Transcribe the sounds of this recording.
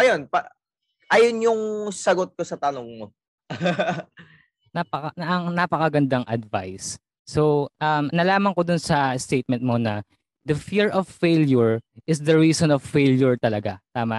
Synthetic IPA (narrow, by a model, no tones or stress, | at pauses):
ʔɐjonpɐ | ʔajonjʊŋsɐɡot̪̚kosɐt̪ɐnoŋmo | nɐpɐkɐʔɐŋnɐpɐkɐɡɐnd̪ɐŋʔɐd̪̚va̰jsː | oʔɐmnɐlaːmɐŋkod̪ʊnsɐst̪ejt̪̚mɛ̃nt̪̚mo̞nɐ | d̪ɐfiɹɔvːejljʊɹʔɪs̬d̪ɐɹiːsɔnɔvfejljʊɹt̪ɐlɐɡat̪aːmɐ